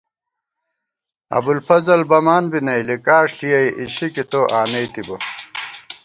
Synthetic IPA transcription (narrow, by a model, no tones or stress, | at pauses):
ɐ̰bulfɐzɐlbɐmaːnbinɐjlikaːʂɬijɐjʔiɕikit̪oʔaːnejt̪ibɐ